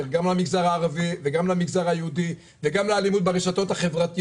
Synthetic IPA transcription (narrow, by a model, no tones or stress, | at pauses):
ʁɡamlamiɡzaʁaːʁaviveɡamlamiɡzaʁajeud̪i | veɡamlealimut̪beʁeʃat̪o̞thaχe̞vʁat̪i